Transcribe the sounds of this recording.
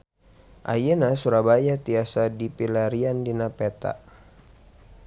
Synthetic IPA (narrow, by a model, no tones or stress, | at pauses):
ʔa̰jənasuɾabajat̪iasadipilaɾiandinapɛt̪a̰